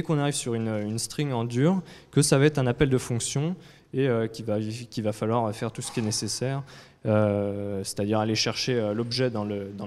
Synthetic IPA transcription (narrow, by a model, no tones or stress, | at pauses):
d̪ekɔ̃naʁivsyʁynøynst̪χiŋɑ̃d̪yʁkəsavaɛt̪χɛ̃napɛld̪əfɔ̃ksjɔ̃ | eøkʲivakʲivafalwaʁøfɛʁt̪usə̥kʲiɛnesesɛʁ | øse̥t̪ad̪iʁaleʃɛʁʃeølɔbʒɛd̪ɑ̃ləd̪ɑ̃